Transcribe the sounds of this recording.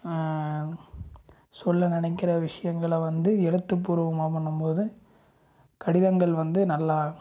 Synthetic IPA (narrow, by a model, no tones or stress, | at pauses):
sɔlːɐnɪnɐɪkːɪɾɐʋɪʂɐjɐŋɡɐɭʋɐnd̪ɯɛɽɯt̪ːɯpːuːɾɯʋɐmaːpɐɳːɯmpoːðɯ | kɐɽɪðɐŋɡɐɭʋɐnd̪ɯnɐlːaː